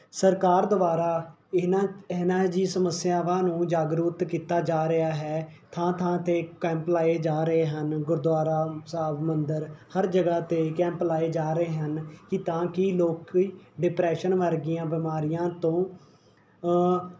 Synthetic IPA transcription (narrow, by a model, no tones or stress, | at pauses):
səɾkaːɾd̪ʊbaːɾaː | ɪnaːnãːd͡ʒiːsəməsːjaːʋãːnũːd͡ʒaːɡɾuːt̪kiːt̪aːd͡ʒaːɾɪaːɦɛːt̪ʰãːt̪ʰãːt̪eːkɛ̃ːmplaːeːd͡ʒaːɾəɦeːɦənɡʊɾd̪ʊaːɾaːsaːbmənd̪əɾhəɾd͡ʒəɡaːt̪eːkɛ̃ːmplaːeːd͡ʒaːɾəɦeːɦənkɪt̪ãːkɪloːkːɖɪpɾɛːʃənʋəɾɡɪjãːbɪmaːɾijãːt̪õː